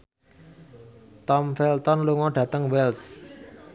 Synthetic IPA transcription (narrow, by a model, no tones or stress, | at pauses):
t̪ɔmfɛlt̪ɔnluŋɔɖ̥ä̤t̪əŋwɛls